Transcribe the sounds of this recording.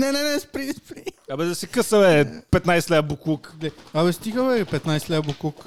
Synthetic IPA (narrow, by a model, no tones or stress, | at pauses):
nɛnɛnɛspɾispɾiɐbɛzɐsɛkəsɐmɛpɛt̪najslɛbukukɡlɛabɛst̪iɡɐlɛɾpɛt̪najslɛbuklˠuk